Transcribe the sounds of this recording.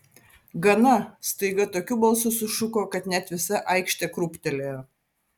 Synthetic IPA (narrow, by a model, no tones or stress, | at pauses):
ɡɐnɐst̪ɐɪɡɐt̪oːkʲubɐlˠsʊsʊʃʊkoːkɐt̪nʲɛt̪ʲʋʲɪsɐʔɐɪkʃʲt̪ʲɛkɾʊpʲt̪ʲɛlʲe